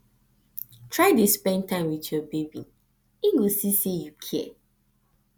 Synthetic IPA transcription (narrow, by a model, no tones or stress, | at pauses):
tʰɹaɪdispɛ̃ntʰãɪ̃mwitjɔbebḭ | iɡosisejukʰɛ